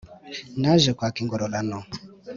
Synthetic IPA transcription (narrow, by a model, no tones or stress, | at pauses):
naʒɛkʷakɪŋɡʷɔɾɔlanɔ